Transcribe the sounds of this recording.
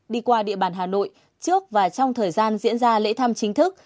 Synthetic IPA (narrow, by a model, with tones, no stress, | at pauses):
ɗi˧kwaː˧ɗḭ˧˨əɓaː˧˩nɦaː˨˩no̰˧˨j | t͡ɕɨ˦˥ək̚vaː˨˩t͡ɕɔ˧wŋ͡mt̪ʰəː˨˩jzaː˧nzḭ˧˥ənzaː˧lḛ˧˥t̪ʰa˧mt͡ɕï˨˦ŋ̟t̪ʰɨ˦˥k̚